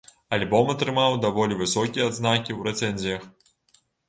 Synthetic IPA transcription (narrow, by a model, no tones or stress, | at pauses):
alʲbɔmɐt̪ɾɨmawd̪avɔlʲivɨsɔkʲijɛad̪znakʲiwɾɛt̪sɛnʲzʲijɐx